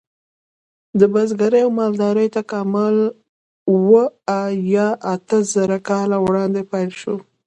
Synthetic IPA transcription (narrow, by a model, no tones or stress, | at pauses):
d̪əbazɡaɾəjawmɑld̪ɑɾəjt̪akɑmɪl | wəajɑʔat̪əzəɾakɑlawɽɑnd̪epajlʃo